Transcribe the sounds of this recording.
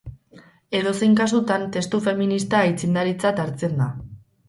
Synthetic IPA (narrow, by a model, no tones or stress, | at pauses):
e̞ðo̞se̞jŋkasut̪ant̪e̞st̪ufe̞minist̪ajt͡sind̪aɾit͡sat̪aɾt͡se̞nd̪a